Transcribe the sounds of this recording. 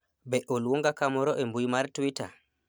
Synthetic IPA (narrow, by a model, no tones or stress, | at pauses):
bɛʔolwoŋɡakamɔɾɔʔembujmaɾtuwita̰